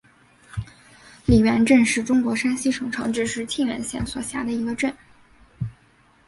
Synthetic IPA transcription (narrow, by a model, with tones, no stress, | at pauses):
li˨˩ɥɛ˧˥nʈ͡ʂə˥˧nʂɻ̩˥˩ʈ͡ʂʊ˥ŋkwɔ˧˥ʂa˥nɕi˥ʂɤ˨˥ŋʈ͡ʂʰɤ˧˥ŋʈ͡ʂɻ̩˥˧ʂɻ̩˥˧t͡ɕʰi˥˩nɥɛ̰˧˥nɕjɛ̰˥˩nswɔ˨˩ɕja˧˥d̪ə˧i˧˥ɡə˧ʈ͡ʂə˥˩n